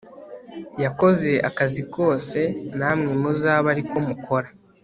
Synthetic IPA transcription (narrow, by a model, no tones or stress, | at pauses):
jako̞ze̞ʔa̰kaziko̞ːse̞naːmŋe̞muzaːβaɾiko̞mukʰo̞ɾa